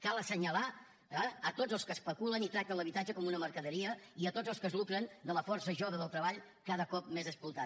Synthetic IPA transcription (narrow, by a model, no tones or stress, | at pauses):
kalˠəsəɲəla | əət̪od͡zəlˠskəspəkulənit̪ɾak̚t̪ənləβit̪ad͡ʒəkɔmunəməɾkəðəɾiəiət̪od͡zəlˠskəzlukɾənd̪ələfɔrsəʒoβəðəlˠt̪ɾəβaʎ | kaðəkɔp̚mezəsplut̪a